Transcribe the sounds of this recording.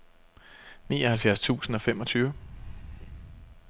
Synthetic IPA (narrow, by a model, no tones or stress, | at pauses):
nḭːɒ̽hælfjæɐst͡sʰṵːsn̩ɒ̽fem̰ɒ̽t͡sʰyːʊə